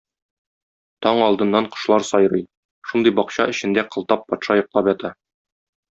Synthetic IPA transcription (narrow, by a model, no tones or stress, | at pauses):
t̪ɒɴɒlˠd̪ɤ̆nːɑɴqŏ̥ʃlˠɑɾsɒjɾɤj | ʃund̪ɤjbɒqɕɑɘ̆ɕɘ̆nd̪æqɤ̆lˠt̪ɑpːɒt̪ʃɑjŏqlˠɑpjɒt̪ɑ